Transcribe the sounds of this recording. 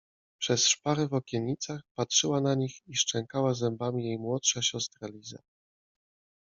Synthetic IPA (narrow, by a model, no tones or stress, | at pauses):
pʂɛsʂpaɾɛvɔkʲɛːit̪saxpatʂɘwanaɲixiʂt͡ʂɛŋkawazɛmbamʲijejmwɔtʂaɕɔst̪ɾalʲiza̰